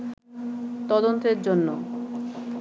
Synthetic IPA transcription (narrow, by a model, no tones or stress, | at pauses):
t̪ɔd̪ont̪eɾd͡ʑonːo̰